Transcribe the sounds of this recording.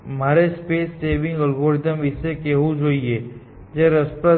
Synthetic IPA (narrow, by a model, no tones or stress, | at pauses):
m̤aɾespeːsːebɪ̃ŋɡəlboɾit̪əmʋɪsekeʋũd͡ʒoie | d͡ʒeɾəspɾə